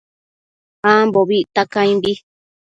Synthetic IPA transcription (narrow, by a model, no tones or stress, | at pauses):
hãmboβiʔt̪akãĩmbi